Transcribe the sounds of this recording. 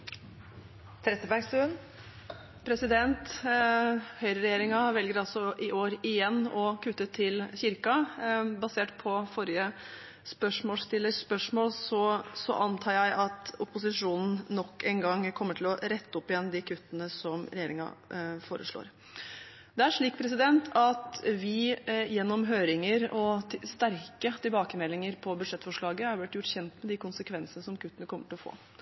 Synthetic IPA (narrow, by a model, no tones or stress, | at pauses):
t̪ʰɾɛt̪ːəbæɡst̪ʉːn | pʰɾɛsɪd̪ɛnt̪ | hœʏɾəɾɛjeːɾɪŋɑʋɛlɡəɾɑlsɔʔɪʔoːɾɪjɛnːɔkʰʉt̪ːət̪ʰɪlçɪɾkɑbɑseːʈpʰɔfɔɾɪə | spœʂmoːst̪ɪlːəsspœʂmoːlsɔsɔ̰ʔɑnt̪ʰɑːɾjæɪʔɑt̪ʊpʊsɪʂuːnn̩ːɔkːɛnɡɑŋkʰɔmːəʈʰɪlɔɾɛt̪ːəɔpːɪjɛnːd̪ɪkʰʉt̪ːənəsɔmɾɛjeːɾɪŋɑ̰foːɾə̰ʂɭo̰ːɾ | d̪ɛæʂɭiːk̚pʰɾɛs̬ɪd̪ɛnt̪ʰɑt̪ʋɪjɛnːɔmɦøːɾɪŋəɾɔst̪æɾkət̪ʰɪlbɑːkəmɛlːɪŋəɾpʰɔbʉd̪ʂɛt̪ːfɔʂɭɑːɡəæɾblɪt̪jʊʈːçɛnt̪mɛd̪ɪkʊnsəkʰʋɛnsənəsɔmkʰʉt̪ːənəkʰɔmːəʈʰɪlɔfo̰ː